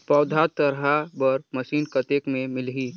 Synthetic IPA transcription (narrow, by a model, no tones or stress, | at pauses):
pɔːd̪ʱat̪əɾɦabəɾməʃiːnkət̪ekmẽmɪlɦiː